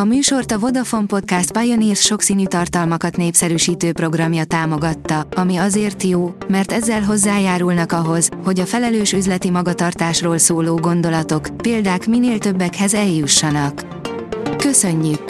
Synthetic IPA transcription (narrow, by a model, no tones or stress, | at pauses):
ɒmyːʃo̞rt̪ɒvo̞d̪ɒfo̞mpo̞t̪kast̪̚pajoniːrsʃo̞ksiːnyːt̪ɒrt̪ɒlmɒkɒt̪neːpsɛɾyːʃiːt̪øːpro̞ɡrɒmjɒt̪aːmo̞ɡɒt̪ːɒɒmiɒzeːrt̪joːmɛrt̪ɛzːɛlɦo̞zːaːjaːɾulnɒkɒɦo̞z̥ho̞ɟɒfɛlɛløːʃyzlɛt̪imɒɡɒt̪ɒrt̪aːʃroːlsoːloːɡo̞n̪d̪o̞lɒt̪o̞kpeːld̪aːkmineːlt̪ø̞bːɛkhɛzɛljuʃːɒnɒkː | ø̞sø̞ɲːyk